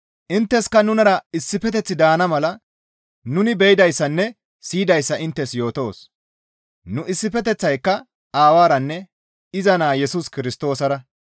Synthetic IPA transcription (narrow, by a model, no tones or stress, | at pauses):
ʔɪnt̪ːɛskɐnʊnɐɾɐɪsːɪpɛt̪̬ɛt͡sːɪd̪aːnɐmɐlɐ | nʊnɪbɛjɪd̪ɐjsːɐnːɛ | siːd̪ɐjsːɐʔɪnt̪ːɛsjo̞ːt̪o̞ːs | nʊʔɪsːɪfɛt̪ɛt͡sːɐjkːɐ | aːwaːɾɐnːɛ | ɪzɐnaːjɛsʊskɪɾɪst̪o̞ːsɐɾɐ